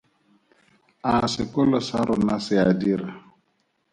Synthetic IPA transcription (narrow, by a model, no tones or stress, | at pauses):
asɪkɔlɔsaɾʊnasɪadiɾa